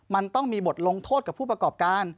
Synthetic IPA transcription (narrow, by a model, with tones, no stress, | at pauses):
ma˧nt̪ɔ˥˩ŋmiː˧bo˨˩t̪̚lo˧ŋt̪ʰoː˥˩t̪̚ka˨˩pʰu˥˩p̚ɾa˧kɔː˨˩p̚kaː˧n